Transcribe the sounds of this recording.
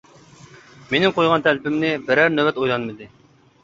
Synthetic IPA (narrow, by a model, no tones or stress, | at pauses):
menɪŋqʰojʁɑnt̪ʰælɪpɪmnɪbɪɾæɾnøwɛt̪ojlˠɑnmɨd̪ɨ